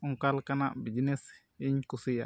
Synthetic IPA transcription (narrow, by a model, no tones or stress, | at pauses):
uŋkalkanaʔbid͡ʒines | iɲkusija̰